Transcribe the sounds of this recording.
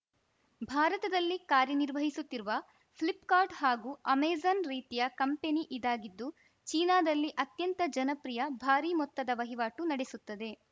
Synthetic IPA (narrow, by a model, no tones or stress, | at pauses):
bʱaːɾɐt̪ɐd̪ɐlːikaːɾjɐniɾʋɐɦisut̪ːiɾuʋɐ | flipkaːɾʈɦaːɡuːɐmeːzɐnɾiːt̪ijɐkɐmpe̞niʔid̪aːɡid̪ːu | t͡ʃiːnaːd̪ɐlːiʔɐt̪jɐnt̪ɐd͡ʒɐnɐpɾijɐbʱaːɾiːmɔt̪ːɐd̪ɐʋɐɦiʋaːʈunɐɽesut̪ːɐd̪e̞